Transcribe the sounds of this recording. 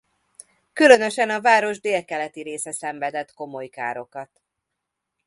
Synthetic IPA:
kylø̞nø̞ʃɛnɒvaːɾo̞ʒd̪eːlkɛlɛt̪iɾeːsɛsɛɱvɛd̪ɛt̪ko̞mo̞jka̰ːɾo̞kɒt̪

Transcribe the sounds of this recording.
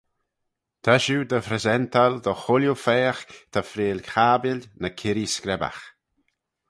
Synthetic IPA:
t̪ʰaʃud̪əfɾɛzɛnt̪ʰald̪ɔxʊljufɛːxt̪ʰafɾeːlʲkxaːbɪlʲnəkʰɪɾiskɾɛba̰x

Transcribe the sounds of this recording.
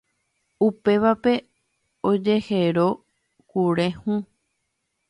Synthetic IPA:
upe̞ʋape̞ | od͡ʒe̞heɾo̞ | kuɾe̞hũ

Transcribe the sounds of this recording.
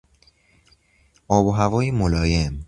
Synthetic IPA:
ʔɒːboɦævɒːjemolɒːjem

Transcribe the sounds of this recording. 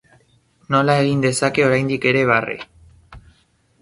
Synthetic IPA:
no̞lae̞ɣind̪e̞sake̞o̞ɾajnd̪ike̞ɾe̞β̞arḛ

